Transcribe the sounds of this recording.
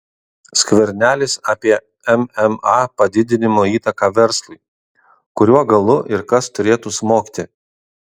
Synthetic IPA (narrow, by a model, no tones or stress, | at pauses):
sʲkʲʋʲɛɾʲnʲæːlʲɪsɑːpʲiɛ | ɛmɛmɑpɐd̪ʲɪd̪ʲɪnʲɪmoːiːt̪ɐkɑːʋʲɛɾslˠʊɪ | kʊɾʲuɔɡɐlˠʊʔɪɾkɐst̪ʊɾʲeːt̪uːsmoːkʲit̪ʲɪ